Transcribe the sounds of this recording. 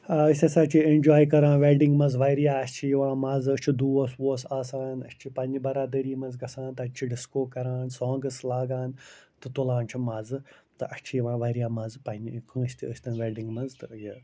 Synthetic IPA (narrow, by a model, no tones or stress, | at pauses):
ɐəsʲɐsaːt͡ʃʰiend͡ʒaːjkɐɾãːnʋeɾɖiŋɡmɐnzʋajɾijaːɐsʲt͡ʃʰijiʋãːmaːzəsʲt͡ʃʰid̪uːosʋoːsaːsaːnɐ̰sʲt͡ʃʰipɐnibɐɾaːd̪əɾiːmɐnzɡɐsãːnt̪ɐt͡ʃʰiɖiskoːkɐɾaːnsɔ̃ːŋɡɐslaːɡaːnt̪ɨt̪ulãːnt͡ʃʰimaːzɨt̪ɨʔɐsʲt͡ʃʰijiʋãːʋaɾijaːmɐzpɐnikə̃ːʃʲt̪iəsʲt̪ɐnʋeːɖiŋɡmɐnzt̪ɨji